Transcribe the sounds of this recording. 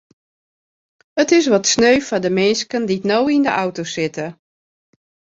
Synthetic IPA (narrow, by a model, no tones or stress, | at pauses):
ətɪs̬ʋɔtsnøɥfɔdəmɪnskənditnowindəʔawtosɪtə